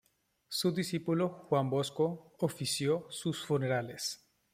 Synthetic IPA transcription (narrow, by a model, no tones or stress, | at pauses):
suðisipuloxwamboskoofisjosusfuneɾales